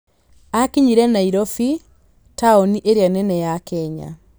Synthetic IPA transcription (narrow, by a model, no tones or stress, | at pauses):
akiɲiɾɛnaiɾɔfi | taɔniʔeɾjanɛnɛjakɛɲa̰